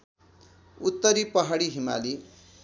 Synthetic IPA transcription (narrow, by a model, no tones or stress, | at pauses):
ut̪ːʌɾipʌɦaɽiɦima̰li